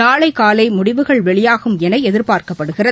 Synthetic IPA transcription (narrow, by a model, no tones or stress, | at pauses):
aːɭɐɪkaːlɐɪmʊɽɪʋɯɣɐɭʋɛɭɪjaːɣɯmɛnɐɪɛðɪɾpaːɾkɐpːɐɽɯɣɪrɐ